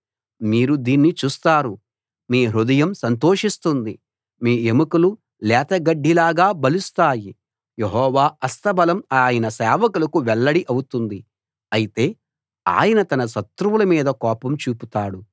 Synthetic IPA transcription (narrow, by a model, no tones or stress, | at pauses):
miːɾud̪iːnːit͡ʃuːst̪aːɾu | miːɦɾud̪ɐjɐmsɐnt̪oːʂist̪und̪i | miːemukulu | lɛːt̪ɐɡɐɖːilaːɡaːbɐlust̪aːji | jeɦɔːʋaːɐst̪ɐbɐlɐmaːjɐnɐsɛːʋɐkulɐkuʋɛɭːɐɽiʔɐwut̪und̪i | ɐjit̪e̞ː | a̰ːjɐnɐt̪ɐnɐsɐt̪ɾuʋulɐmiːd̪ɐkɔːpɐmt͡ʃuːput̪aːɽu